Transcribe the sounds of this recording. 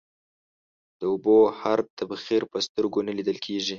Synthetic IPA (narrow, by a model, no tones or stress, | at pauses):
d̪̥əʊbohaɾt̪abxiɾpəst̪əɾɡonalid̪əlkʰeʒi